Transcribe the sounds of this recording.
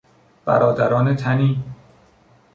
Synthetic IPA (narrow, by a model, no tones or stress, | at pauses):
b̥æ̰ɾɒːd̪æɾɒːnet̪ʰæniː